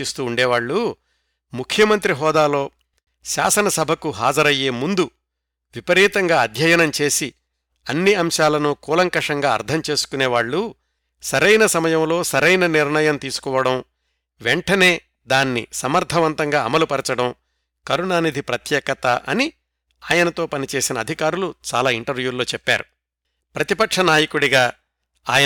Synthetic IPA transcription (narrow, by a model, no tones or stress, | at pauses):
ist̪uːɳɖeːʋaːɭːu | mukʰjɐmɐnt̪ɾiɦɔːd̪aːlo̞ː | ʃa̰ːsɐnɐsɐbʱɐkuɦaːd͡ʒɐɾɐje̞ːmund̪u | ʋipɐɾiːt̪ɐŋɡaːɐd̪ʱjɐjɐnɐmt͡ʃe̞ːsi | ɐnːiɐmʃaːlɐnukuːlɐŋkɐʂɐŋɡaːɐ̰ɾd̪ʱʰɐmt͡ʃe̞ːsu̥kuneːʋaːɭːu | sɐɾɐjnɐsɐmɐjɐmlo̞ːsɐɾɐjnɐniɾɳɐjɐmt̪iːsu̥kɔːʋɐɽɐm | ʋeɳʈɐne̞ː | d̪aːnːḭsɐmɐɾt̪ʰɐʋɐnt̪ɐŋɡaːɐmɐlupɐɾɐt͡ʃɐɽɐm | kɐɾunaːnid̪ʱipɾɐt̪jɛːkɐt̪ɐʔɐ̰ni | aːjɐnɐt̪o̞ːpɐnit͡ʃe̞ːsinɐːd̪ʱikaːɾulut͡ʃa̰ːlaːiɳʈɐɾʋjuːlo̞ːt͡ʃɛpːa̰ːɾu | pɾɐt̪ipɐkʂɐnaːjɐkuɽiɡaː | a̰ːjɐ